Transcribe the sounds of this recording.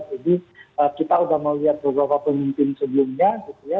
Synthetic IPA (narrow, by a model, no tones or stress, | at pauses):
d͡ʒadiəkit̪audahməwliɦat̪̚bəbɾapapəmimpɪnsəbəlʊmɲaɡit̪uja